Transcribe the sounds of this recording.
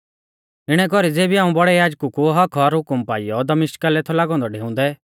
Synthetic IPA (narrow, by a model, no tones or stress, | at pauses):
ɪɽ̃ɛkɔɾid͡zeːbiaːũbɔɽɛjaːd͡ʒkukuɦɐkʰɔɾɦʊkʊmpaːɪjɔd̪ɐmɪʃʈkalɛt̪ʰɔlaːɡɔ̃ːnd̪ɔɖʱeːʊ̃n̆d̪ɛ